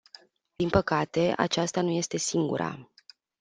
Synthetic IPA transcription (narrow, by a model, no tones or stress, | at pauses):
d̪̥inpəkat̪e̞a̰t͡ʃast̪anuje̞st̪e̞siŋɡṵɾʔa̰